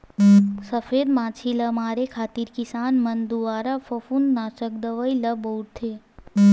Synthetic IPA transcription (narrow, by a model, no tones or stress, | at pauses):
səfʰeːd̪maːt͡ʃʰilɐmaːɾekʰaːt̪iɾkɪsaːnmɐnd̪uʋaːɾafɐfunnaːʃək̚d̪əʋəilɐbouʈt̪ʰeː